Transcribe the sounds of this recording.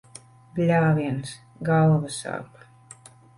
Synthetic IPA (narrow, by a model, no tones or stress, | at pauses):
ɡlʲaːvʲiɛns | ɡalˠvasa̰ːpḁ